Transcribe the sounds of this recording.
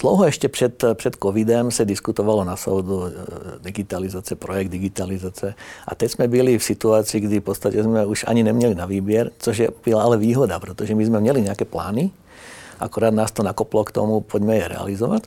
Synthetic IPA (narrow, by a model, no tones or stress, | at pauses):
d̪̥lɔʊɦɔɛʃcɛpɾɛt̪pɾɛt̪kɔʋid̪ɛmsad̪iskut̪ɔʋalɔnasɔ̰ʊd̪ud̪iɡit̪alizaːt͡siɛpɾɔjɛɡ̚d̪iɡit̪alizaːt͡siɛʔa̰t̪ɛɟzmɛbilifsit̪uaːt͡siːɡd̪ifpɔt͡st̪acɛzmɛuʒa̰ɲinɛmɲɛlinaʋiːbɪɛɾt͡sɔʒjɛbilaalɛʋiːɦɔd̪apɾɛt̪ɔʒɛmizmɛmɲɛliɲɛakɛplaːni | ʔa̰kuɾaːd̪naːst̪ɔnakɔplɔkt̪ɔ̰mupʰɔɟmɛjɛɾɛ̰a̰lizɔʋac